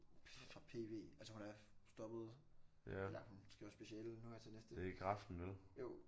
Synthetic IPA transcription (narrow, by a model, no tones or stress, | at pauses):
fʁɑ̈pʰe̝̰ːʋe̝̰ːælsəhunæɐsd̥ɒ̽b̥ð̞̩ˠ | læhunsɡ̥iʊɐsb̥e̝ɕielnuheɐt͡sʰe̝nesd̥ədeɡ̥ʰʁɑfd̥n̩ʋeljo̰ʊ̰